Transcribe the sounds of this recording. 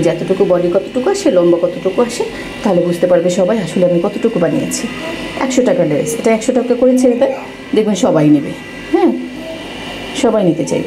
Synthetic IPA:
d͡ʑɛt̪oʈukubɔlikɔt̪o̥ʈukuaʃelɔmbokɔt̪oʈukuaʃe | t̪aɦolebud͡ʑʱt̪epaɾbeʃɔbajaʃoleamikɔt̪oʈukubanḭja̰t͡ɕʰiɛ̰kʃoʈakaɖeɾḛseʈaɛkʃoʈakakoɾet͡ɕʰeet̪aj | d̪ek̚ʰbenʃɔbajnibḛ | hɛ̃ | ʃɔbajnit̪et͡ɕa̰jb

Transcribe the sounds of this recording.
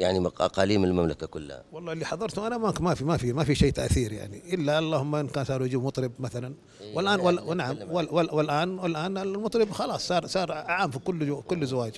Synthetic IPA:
jaʕniʔa̰qɑːliːmɪlmamlakakʊ̰lːha̰wɑlˤːɑːlːiːħɑðˤɑɾˤt̪ʊmʔanamakmafimafimafiʃeːt̪a̰ʔθiːɾja̰ʕniʔɪlːalˤːɑːhʊmːaʔɪnkaːnsˤɑːɾˤjd͡ʒiːbmɑt̪ˤɾɪbmaθalan | wɪlʔaːnwalːnaʕamwɪwɪlwɪlʔaːnwɪlʔaːnɪlmɑt̪ˤɾɪbxɑlɑːsˤsˤɑːɾˤsˤɑːɾˤʕaʕaːmfikʊlːkʊlːzawaːd͡ʒ

